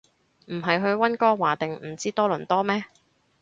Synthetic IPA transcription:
m̩˨˩ɦɐ˨jɦɵ˧ɥwɐ˥nkɔː˥waː˨˩t̪e˨ŋm̩˨˩t͡siː˥t̪ɔː˥lɵ˨˩nt̪ɔː˥mɛː˥

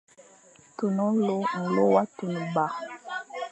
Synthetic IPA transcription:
tu˨nɔ˦lo˦m̩˨lo˦wa˦tu˨nu˨ba˨

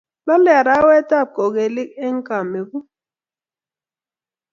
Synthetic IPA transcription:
la˦lɛ˦a˨ɾa˨˦wɛ˦ta˦˨p̚kɔ˨ɣe˨li˦k̚ɛ˦ŋ̩˦ka˨me˨bu˦

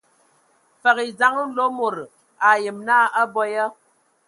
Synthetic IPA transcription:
fə˨ɣi˨d͡za˨˦ŋ̩˦lo˦mo˨ɾ | a˨jə˨mnaː˦˨a˦bɔ˦ja˦

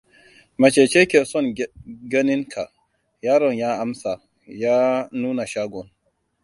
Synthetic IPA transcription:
ma˨t͡ʃe˨t͡ʃɛ˦kɛ˨sɔ˦nɡa˦ni˦nkʰa˨ | jaː˦ɾɔ˨njaː˦a˦msa˨ | jaː˦nuː˦na˨ʃa˦ɡɔ˨n

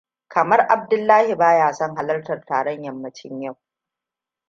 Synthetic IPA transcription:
kɐ˨mɐ˦rʔa˨b̚dʊ˦lːaː˦hi˨baː˦jaː˨sɔ˦ŋɦa˦lɐ˦rtɐ˨rta̰ː˨ɽɐ˦ɲjɐ˨mːɐ˦t͡ʃɪ˦ɲja˦˨w

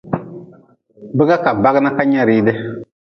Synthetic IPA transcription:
bɪ˦ɡa˦ka˨ba˦ɡɪ˦na˦ka˦ɲa˦ɾiː˦dɪ˦

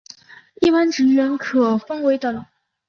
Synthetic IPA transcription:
i˥˩pa˥nʈ͡ʂɻ̩˧˥ɥɛ˧˥nkʰɤ˨˩fɤ˥ŋwe˧˥ɪt̪ə˨˩

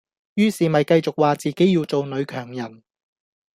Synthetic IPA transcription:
jyː˥siː˨mɐ˨jkɐ˧jt͡sʊ˨k̚waː˨t͡siː˨ke˨˥jiː˧wt͡so˨wnɵ˨˧ɥkʰœː˨˩ŋjɐ˨˩n

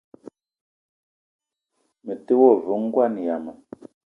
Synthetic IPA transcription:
mə˨te˦wɔ˦˨vu˨˦ŋ̩˦ɡwa˦˨ni˨ja˨ma˨

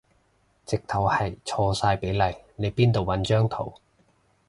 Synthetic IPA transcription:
t͡sɪ˨k̚t̪ʰɐ˨˩whɐ˨jt͡ʃʰɔː˧saː˧jpe˨˥jlɐ˨˩jne˨˧jpiː˥nt̪o˨˩wɐ˨˥nt͡ʃœː˥ŋt̪ʰo˨˩w

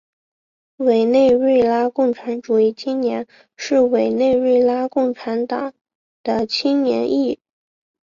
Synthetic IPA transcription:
we˨˩ɪne˥˧ɪɻe˥˧ɪla˥kʊ˥˩ŋʈ͡ʂʰa˧˥nʈ͡ʂu˨˩i˥˩t͡ɕʰi˥nnjɛ˧˥n | ʂɻ̩˥˩we˨˩ɪne˥˧ɪwe˥˩ɪla˥kʊ˥˩ŋʈ͡ʂʰa˧˥nt̪ɑ˨˩˦ŋ | d̪̥ə˧t͡ɕʰi˥nnjɛ̰˧˥ni˥˩

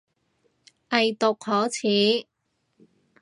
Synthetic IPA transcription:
ʔɐ˨jt̪ʊ˨k̚hɔː˨˥t͡sʰiː˨˥

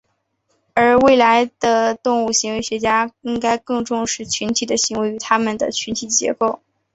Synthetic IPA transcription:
ə˞˧˥we˥˩ɪla˧˥ɪd̪̥ə˧t̪ʊ˥˧ŋu˥˩ɕi˧˥ŋwe˧˥ɪɕɥɛ˧˥t͡ɕja˥i˥ŋka˥ɪkɤ˥˧ŋʈ͡ʂʊ˥˧ŋʂɻ̩˥˩t͡ɕʰy˧˥nt̪ʰi˨˩d̪ə˦ɕi˧˥ŋwe˧˥ɪy˧˥t̪ʰa˥mə˨nd̪ə̰˩t͡ɕʰy˧˥nt̪ʰi˨˩t͡ɕjɛ̰˧˥ko˥˩ʊ

